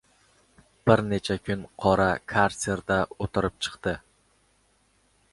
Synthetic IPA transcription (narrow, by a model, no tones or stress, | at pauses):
b̥ɪɾnet͡ʃʰakʲʰʊnqʰɒɾakʰaɾsʲeɾd̪aot̪ʰɪɾɪp̚t͡ʃʰɨ̥qt̪ɪ